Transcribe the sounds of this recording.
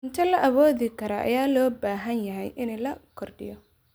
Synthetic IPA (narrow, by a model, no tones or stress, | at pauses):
ɪnt̪ʰɐlɐʔɐβɔːðɪkʰɐɾɐʔɐ̰jaːlɔːbaːɦɐnjɐɦɛjʔɪnɛlɐkʰɔrɖɪ̰jɔ